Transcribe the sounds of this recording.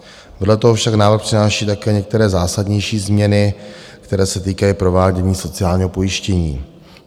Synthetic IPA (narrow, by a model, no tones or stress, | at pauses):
vɛdlɛt̪oɦofʃaknaːvɾ̩xpr̥ɪnaːʃiːt̪akɛːɲɛk̚t̪ɛɾɛːzaːsadɲɛjʃiːzmɲɛnɪ | kt̪ɛɾɛːsɛt̪iːkajipɾo̞vaːɟɛɲiːso̞t͡sɪaːlɲiːɦopo̞jɪʃcɛɲiː